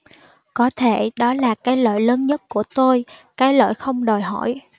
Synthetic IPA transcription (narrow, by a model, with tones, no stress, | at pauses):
kɔ˨˦t̪ʰe˧˩ɗɔ˨˦laː˨˩kaː˨˦jlə̰ː˧˨jləː˨˦nɲə˦˥t̚ku˧˩ət̪o˧jkaː˨˦jlə̰ː˧˨jxə˧wŋ͡mɗo˨˩jɦɔ˧˩˨j